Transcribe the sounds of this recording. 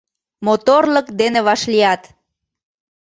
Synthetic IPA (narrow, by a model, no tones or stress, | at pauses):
mot̪orləkd̪eneβɑʃliɑt̪